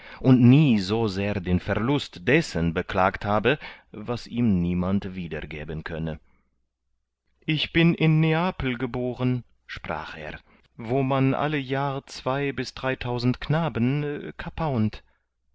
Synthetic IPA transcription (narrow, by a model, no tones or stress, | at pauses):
ʔʊntniːzoːzeːɐdeːnfɛɐlʊstd̥ɛsənbəkl̥aːkthaːbəvasʔiːmniːmantv̥iːdɐ̰ɡḛːbənkʰœnə | ʔɪçb̥ɪnʔɪnːeaːpl̩ɡəboːʁən | ʃpʁ̥a̰ːχḛːɐ | voːmanʔa̰ləjaːʁət͡sv̥aɪbɪsd̥ʁaɪtʰaʊzn̩tknaːbənkʰapʰaʊnt